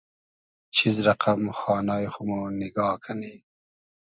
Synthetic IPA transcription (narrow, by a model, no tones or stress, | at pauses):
t͡ʃʰizɾaqʰamxɑːnɑːjxʊmunɪɡɑːkʰani